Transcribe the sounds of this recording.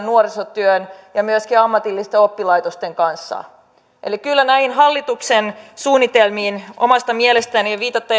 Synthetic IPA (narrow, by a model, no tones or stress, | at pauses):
nnuorisot̪yønjɑmyøskiɑmːɑt̪ilːist̪eopːilɑit̪ost̪eŋkɑnsːɑ̰ | ʔḛlikylːænæinɦɑlːit̪uksensuːnːit̪elmiːno̰mɑst̪ɑmielest̪æniʋiːt̪ɑt̪ːe